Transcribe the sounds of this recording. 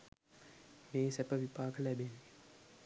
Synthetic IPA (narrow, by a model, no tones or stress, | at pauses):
meːsɛpəʋipaːkəlæbenːi